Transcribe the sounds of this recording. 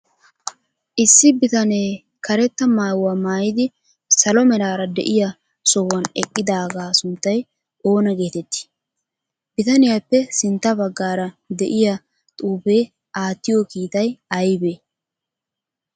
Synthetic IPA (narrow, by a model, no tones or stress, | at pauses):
ʔɪsːɪbɪt̪ɐne̞ː | kɐɾɛt̪ːɐmaːwɐmaːjɪd̪ɪ | sɐlɔmɛlaːɾɐd̪ɛ̰ʔɪja | sɔwːɐnɛkʼːɪd̪aːɡaːsʊnt̪ːɐj | ʔo̞ːnɐɡe̞ːt̪ɛt̪ːɪ̥ | bɪt̪ɐnɪjapːɛsɪnt̪ːɐbɐɡːaːɾɐ | d̪ɛʔɪja | t̪ʼuːbe̞ː | ʔaːt̪ːɪjokiːt̪ɐjɐjbeː